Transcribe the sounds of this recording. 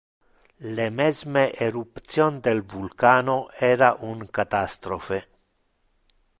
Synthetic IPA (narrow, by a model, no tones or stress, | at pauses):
lemɛzmeʔeɾupt̪sjond̪elvulkaːnoɛːɾaʔuŋkat̪ast̪ɾofe